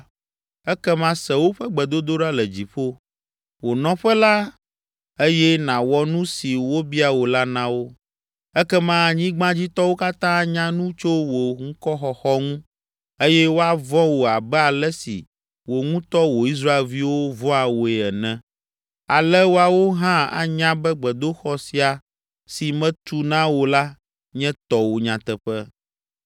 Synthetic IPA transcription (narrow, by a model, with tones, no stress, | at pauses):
ɛ˦kɛ˦mã˦sɛ˨wo˦ɸɛ˦ɡ͡bɛ˨d̪o˦d̪o˦ɖa˦lɛ˨d͡ʑi˨ɸo˦ | wo˨nɔ̃˨˦ɸɛ˦la˦ | e˦jɛ˦nã˨wɔ˦nũ˦si˨wo˦bi˦a˨wo˨la˦nã˦wo˦ | ɛ˦kɛ˦mã˦ɲĩ˦ɡ͡bã˦d͡ʑi˦t̪ɔ˦wo˦ka˦t̪ã˦ɲã˦nũ˦t͡ʃo˦wo˨ŋ̩̃˦kɔ˦xɔ˨xɔ˦ŋũ˦ | e˦jɛ˦wo˦a˨vɔ̃˦wo˨a˨bɛ˦a˨lɛ˦sḭ˨ | wo˨ŋũ˦t̪ɔ˦wo˨i˦s̬ɾa˦e˨˦lvi˦wo˦vɔ̃˦a˨wo˨ɛ˨ɛ˨nɛ̃˦ | a˨lɛ˦wo˦a˨wo˦ɦã˦a̰˨ɲã˦bɛ˦ɡ͡bɛ˨d̪o˦xɔ˨˦si˦a˨ | si˨mɛ̃˦t̪u˦nã˦wo˨la˦ | ɲɛ̃˦t̪ɔ˨wo˨ɲã˨t̪ɛ˨ɸɛ˦